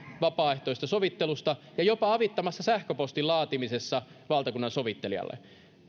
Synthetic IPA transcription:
ʋɑpɑːeht̪ojst̪ɑsoʋit̪ːelust̪ɑjɑjopɑɑʋit̪ːɑmɑsːɑsæhkøpost̪ilɑːt̪imisesːɑʋɑlt̪ɑkunːɑnsoʋit̪ːeliɑ̰lːḛ

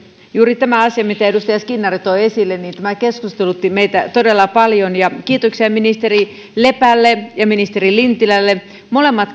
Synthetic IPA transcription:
juːɾit̪æmæɑsiɑmit̪æedust̪ɑjɑskinːɑrit̪oiesilːenːiːnt̪æmækeskust̪elut̪ːimeit̪æt̪odelːɑpɑljonjɑk̟iːt̪oksiɑminist̪eri | lepælːejɑminist̪erilint̪ilælːe | molemːɑt̪

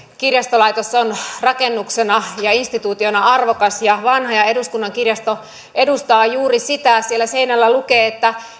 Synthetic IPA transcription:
kirjɑst̪olɑjt̪osonrɑkenːuksenɑjɑinst̪it̪uːt̪ionɑɑrʋokɑsjɑʋɑnɦɑjɑeduskunːɑŋkirjɑst̪o | ʔe̞dust̪ɑːjuːrisit̪æsielːæse̞inælːælukeːet̪ːæ

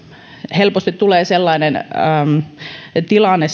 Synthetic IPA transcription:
helpost̪it̪t̪uleːselːɑinenə | t̪ilɑnːes

